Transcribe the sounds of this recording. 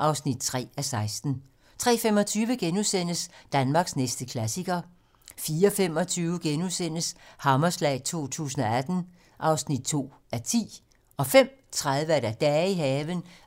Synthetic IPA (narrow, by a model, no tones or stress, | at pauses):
ʔɑ̈ʊsnid̥̚t͡sʰʁɛ̰ːæsɑ̈ɪsd̥n̩ | t͡sʰʁɛ̰ːfem̰ɒ̽t͡sʰyːʋəɡ̥enusen̰əsd̥ænmɑ̈ːɡ̥snesd̥əkʰlæsiɡɐ | fiːɐɒfem̰ɒ̽t͡sʰyːʊəɡ̥enusen̰əshɑ̈mɐslɛ̰ːɪt͡sʰo̝̰ːt͡sʰṵːs̬ən̩ɒ̽æd̥n̩ | ʔɑ̈ʊsnid̥̚t͡sʰo̝̰ː | æɐt͡sʰḭː | ɒ̽fem̰t͡sʰʁaðˠʋəæɐɾæd̥ɛːiɦɛːʋən